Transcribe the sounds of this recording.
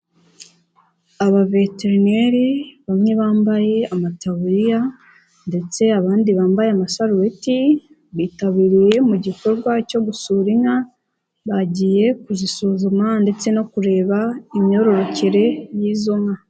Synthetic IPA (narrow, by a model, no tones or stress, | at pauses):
aβave̞teɾineɾiβamŋe̞βaːmbaje̞amatauɾija | nde̞t͡se̞aβaːndiβaːmbajeamasaɾueti | βiːtaβiːɾije̞muɟiko̞ɾɡwaco̞ɡusuɾiŋa | βaɟiːje̞kuzisuːzumande̞t͡se̞no̞kuɾe̞ːβaimɲo̞ɾo̞ɾo̞ceɾe̞jiːzoŋa